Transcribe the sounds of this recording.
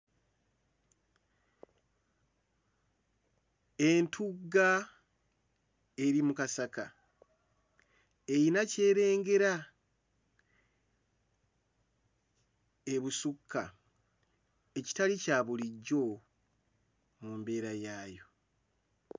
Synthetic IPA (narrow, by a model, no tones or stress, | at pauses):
e̞ntʰuɡa | e̞ɾimukasaka | e̞jinace̞ːɾe̞ːŋɡe̞ɾa | eβusukʰːa | e̞ci̥talicaːβuliɟːo̞ | mumbe̞ːɾajaːjo̞